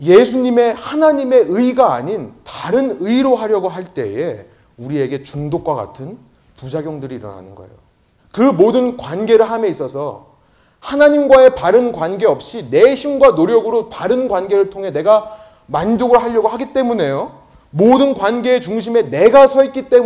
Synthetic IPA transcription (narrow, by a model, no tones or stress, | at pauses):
je̞sʰuɲime̞hanaɲime̞ɯiɡaːɲintaɾɯnɯiɾoɦaɾjʌɡoɦaɭt͈e̞̰e̞ | uɾie̞ɡe̞t͡ɕuŋdok͈̚waɡa̰tʰɯn | pud͡ʑaɡjʌŋdɯɾiːɾʌ̰na̰nɯnɡʌ̰ḛjo | kɯmodɯnkwanɡe̞ɾɯɭɦamjeis͈ʌsʰʌ | hanaɲimɡwae̞paɾɯnkwanɡe̞ʌp̚ɕ͈ine̞çimɡwanoɾjʌɡɯɾopaɾɯnɡwanɡe̞ɾɯɭtʰoŋɦe̞ne̞ɡa | mand͡ʑoɡɯɭɦaʎːʌɡoɦaɡit͈e̞mune̞jo | modɯnkwanɡe̞ːt͡ɕuŋɕ̬ʰime̞ne̞ɡasʰʌik͈it͈e̞m